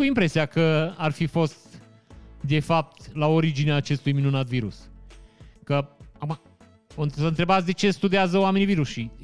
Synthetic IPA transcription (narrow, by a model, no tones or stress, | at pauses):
uimpɾe̞siakəarfifo̞st̪ | d̪e̞fap̚t̪lao̞ɾid͡ʒineaːt͡ʃe̞st̪ujminunat̪viɾṵs | kəama | oɨnsənt̪ɾe̞bat̪sʲd̪e̞t͡ʃe̞st̪ud̪iazəwame̞niviɾuʃi